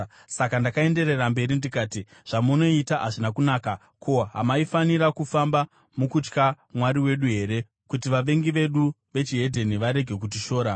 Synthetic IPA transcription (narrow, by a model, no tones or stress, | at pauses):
sakandakae̞nde̞re̞rambe̞ɾindikaːti | ʐ̥amuno̞itaʔaʐinakunaːka | kʰo̞ɦa̰maifaniɾakufamba | mukut͡ʃka | mwaɾiwe̞ɗuɦe̞ːɾe̞ | kut̬iʋaʋe̞ŋɡiʋe̞ɗu | ʋe̞t͡ʃiɦe̞dʱe̞niʋaɾe̞ɡʱe̞kut̬iʃo̞ːɾa